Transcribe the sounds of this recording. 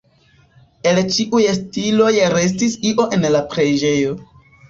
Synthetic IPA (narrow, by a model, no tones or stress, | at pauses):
e̞lt͡ʃiʔujestilo̞jɾe̞s̬tisiʔo̞ʔe̞nlapɾe̞d͡ʒe̞jo̞